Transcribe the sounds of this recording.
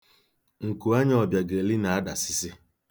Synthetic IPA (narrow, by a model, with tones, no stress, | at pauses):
ŋ̩˨ku˨a˦ɲ˦ɔ˨bja˨ɡe˨li˦na˨a˦da˨sɪ˦sɪ˦